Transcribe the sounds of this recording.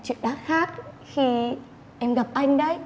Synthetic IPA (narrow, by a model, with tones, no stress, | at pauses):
t͡ɕwḭ˧˨ənɗaː˦˥t̚xaː˦˥k̚xi˧ | ʔɛ˧mɣa˨˩p̚ʔa˧jŋ̟ɗə˨˦j